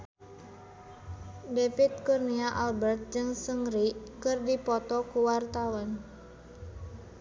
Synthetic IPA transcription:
defit̪̚kurniaʔalbɛrt̪̚d͡ʒɨŋsəŋrikɨrdipɔt̪ɔkuwart̪awɔn

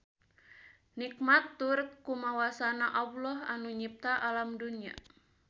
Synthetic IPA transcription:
nik̚mat̪ːuɾt̪̚kumawasanaʔablɔhanuɲip̚t̪aʔalamdunia̰

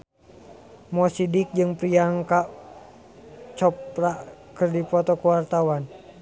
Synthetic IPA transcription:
mɔsidik̚d͡ʒɨŋpɾiaŋka | t͡ʃɔpraʔkɨrdipɔt̪ɔkuwart̪awan

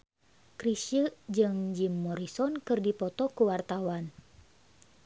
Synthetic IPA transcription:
kɾiʃid͡ʒɨŋd͡ʒimːɔɾisɔnkɨrdipɔt̪ɔkuwart̪awan

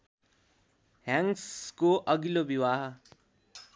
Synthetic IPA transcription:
ɦjãŋskoʔʌɡilobiwaɦʌ

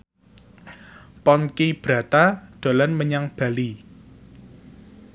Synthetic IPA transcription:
pɔnkib̥ɾä̤t̪aɖ̪̥a̤lanməɲaŋb̥a̤li

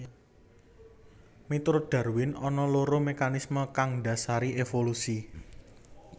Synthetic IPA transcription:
mit̪ɾoɖ̪̥a̤rwɪnɔnɔloɾomekanisməkaŋda̤saɾiefolusi

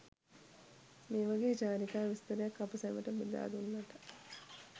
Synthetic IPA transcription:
meːʋaɡeːd͡ʒaːnikaːʋist̪əɾejakːapəsɛʋəʈəmid̪a̰ːd̪unːaʈ̪ə̥

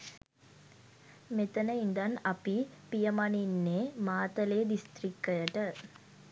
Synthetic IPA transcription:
met̪ɐnɐind̪ɐnɐpipijɐmɐninːeːmaːt̪ɐleːd̪ist̪ɾikːɐjɐʈə

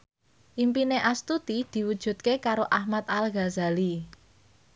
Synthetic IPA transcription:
ʔimpineʔast̪ut̪id̪̥i̤wud̥ʒ̥ṳt̪̚kekaɾoʔahmat̪̚alɡazali

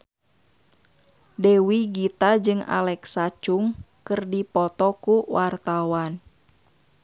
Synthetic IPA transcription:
dɛwiɡit̪ad͡ʒɨŋa̰lɛksat͡ʃuŋ | kɨrdipɔt̪ɔkuwart̪awan

